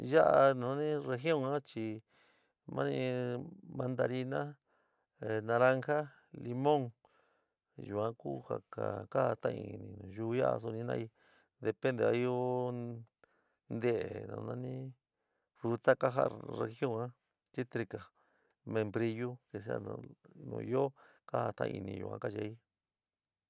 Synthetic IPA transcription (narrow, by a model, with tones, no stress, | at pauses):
ja˦ʔa˧nã˨nã˦nĩ˦re˧xjõ˦˨ŋã˦t͡ʃi˧ | mʔã˦nĩ˧mã˧nd̪a˧ɾi˧nã˦ | e˨nã˧ɾa˧ŋxa˦ | li˧mõ˦ŋ | ju˨ã˦ku˦ha̰˨ka̰˨ka˦˧t̪ã˦˧ḭ̃˧nĩ˨˧nũ˨ʒu˦ja˦ʔa̰˧s̬u˧nĩ˧nã̰˧i˧ | d̪e˧pe˦nd̪e˧a˧i˦jo˦ | nd̪e˦˨ʔe˨nã̰˨˧nã˦nĩ˦ | fɾu˧t̪a˦ka˦ɦa̰˦re˧xjõ˦ŋã˦ | t̪i˦t̪ɾi˧ka˨ | mẽ˧mbɾi˧ju˦ke˧s̬a̰˧ñ̰˧nṵ̃ː˧jo˦ | ka˦ha˧t̪ã˧ʔḭ̃˧i˧nĩ˧jṵ˨ã̰˧˦ka˦ʃa˧˦i˦